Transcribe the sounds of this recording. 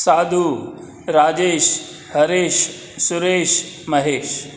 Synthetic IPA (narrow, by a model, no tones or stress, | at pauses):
saːd̪ʱu | ɾaːd͡ʑeːʃ | hɐɾeːʃ | suɾeːʃ | mɐɦeːʃ